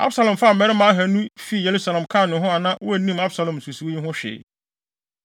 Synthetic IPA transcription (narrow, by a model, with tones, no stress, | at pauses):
a̰˦bsa˨lã˨m˨fa˦˨m̩˨mɛ˨˦ɾɪ˦mã˨˦ɦæ˨nũ˦fi˦˨je˨ɾu˦sa˨lã˨mkʰã˦˨nʊ̃˨ɦʊ̃˦a˨nã˦wʊ˦æ˨nĩ˦ma˦bsa˨lɔ̃˨m˨su˨si˨wo˦ji˦ɦʊ̃˦ɕᶣɪ̰˨